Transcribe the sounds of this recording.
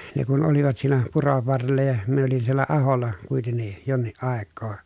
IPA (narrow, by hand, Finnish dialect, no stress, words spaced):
ne kun oliʋɑt siːnæ puroʋ ʋɑrːelːɑ jɑ min olin sielːæ ɑholˑɑ kuitenːi jonːiʔ ʔɑˑekːoː